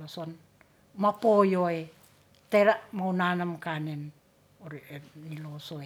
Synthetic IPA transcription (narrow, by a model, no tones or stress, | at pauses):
loson | mapojoe | teɾamawnanamkanen | oɾienilosoe